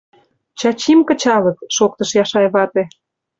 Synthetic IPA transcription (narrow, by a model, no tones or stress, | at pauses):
t͡ɕɑt͡ɕimkə̆t͡ɕɑlɤ̆kʃok̚t̪ə̆ʃjɑʃɑjβɑt̪e